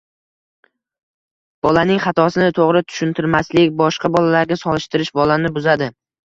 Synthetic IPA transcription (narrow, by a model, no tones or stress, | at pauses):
b̥ɒlanɪŋχɑt̪ʰɒsɪnɪt̪ʰoʁɾɪt̪ʰʊ̥ʃʊnt̪ʰɪɾmaslɪkʲbɒʃqɑbɒlalaɾɡʲasɒlˠɪʃt̪ɪɾɪʃbɒlanɪbʊzad̪ɪ